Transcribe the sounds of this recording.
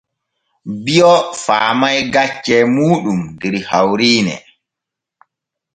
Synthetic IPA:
bijɔfaːmajɡat͡ʃːɛmuːɗumdɛɾhawɾiːnɛ̰

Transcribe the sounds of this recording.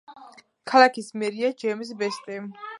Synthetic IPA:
kʰalakʰismɛɾiad͡ʒɛms̬bɛst̪ʼɛ

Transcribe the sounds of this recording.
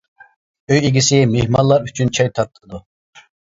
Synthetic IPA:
øjeɡʲisɪmehmɑnlˠɑɾyt͡ʃʰynt͡ʃʰɛjt̪ʰɑɾt̪ʰːəɨd̪u

